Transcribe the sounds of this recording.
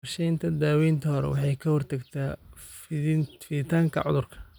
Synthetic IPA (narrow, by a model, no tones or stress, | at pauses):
rʃɛjnt̪ʰɐd̪aːwɛjnt̪ʰɐhɔɾɛ̰wɑ̰ħɑjkʰɐhɔrt̪ʰɐɡt̪ʰaː | fɪðɪt̪ʰaːŋkʰɐ̰ʕʊ̰ðʊrkʰɐ̥